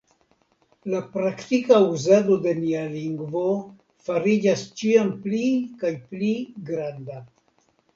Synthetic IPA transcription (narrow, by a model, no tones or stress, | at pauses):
lapɾakt̪ikauzado̞de̞nialiŋɡvo | faɾid͡ʒast͡ʃiamplikajpliɡɾanda